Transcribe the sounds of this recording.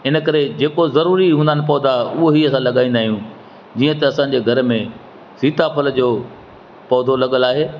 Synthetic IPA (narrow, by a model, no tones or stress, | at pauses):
ɪnə̆kɐɾed͡ʑeːkozɐɾuːɾiɦũːnd̪anɪpɔːd̪aʊɦoɦiɐsãlɐɠaːĩnd̪aːɦijũ | d͡ʑiːə̃t̪ɐɐsãːɲ̆d͡ʑeːɡʱɐɾmẽ | siːt̪apʰɐld͡ʑoː | pɔːd̪ʱolɐɠəlaːɦeː